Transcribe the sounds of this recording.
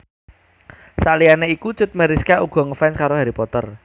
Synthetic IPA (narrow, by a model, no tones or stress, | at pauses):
salianeikut͡ʃʊt̪̚məɾiskaʔuɡ̥ɔ̤ŋəfɛnskaɾoɦaɾipɔt̪ər